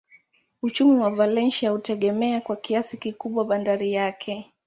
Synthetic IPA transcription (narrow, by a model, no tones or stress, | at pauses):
ut͡ʃumiwavalɛnʃiahutɛɠɛmɛakwakiasikikuɓwaɓandaɾijakʰɛ